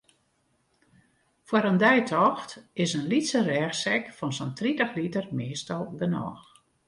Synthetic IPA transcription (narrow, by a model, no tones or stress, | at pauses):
fwəɾəndɛjtʰɔxtɪsənlitsərɛːxsɛkfɔnsɔntritəxlitərmeːstɔlˠbənɔ̰ːx